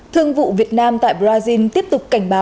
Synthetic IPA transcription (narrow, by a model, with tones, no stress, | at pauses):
t̪ʰɨ˧əŋvṵ˧˨vi˨˩ət̚naː˧mt̪a̰ː˧˨jɓzaː˧zi˧nt̪i˦˥əp̚t̪ʊ˨˩k͡p̚ka˧˩jŋ̟ɓaː˨˦